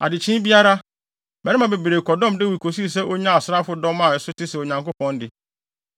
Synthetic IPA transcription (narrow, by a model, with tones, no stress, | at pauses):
a̰˨dɪ˨t͡ɕʰɪ̃˦bi˦a˦ɾa˦ | mɛ̃˨ɾɪ̃˦mã˨be˨bɾe˨kʰɔ˨dɔ̃˦mde˦wi˨kʰo˨si˦˨s̬ɛ˦ʔo˦ɲã˦a˨sɾa˦fʊ˨dɔ̃˦mã˨ɛ˨sʊ˦tɪ˦sɛ˨o˨ɲã˨ŋkʊ˦pʰɔ̃˦n˦dɪ˨